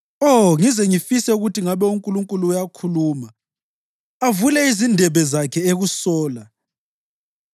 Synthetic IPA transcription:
oŋizɛŋifisɛuɣutiŋaβɛuŋkʼuluŋkʼuluːjakʰuluːma | avulɛizindʱɛβɛzakʰɛeɣusɔːla

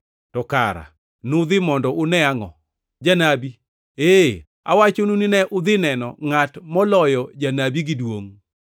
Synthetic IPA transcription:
tɔka̰ɾa̰ | nʊd̪ɪmɔndɔʔʊnɛaŋɔ̰ | d͡ʒanabi | e | a̰wat͡ʃonunɪnɛʔʊd̪ɪnɛnɔ̰ŋatmɔlɔjɔd͡ʒanabiɡɪdwoŋ

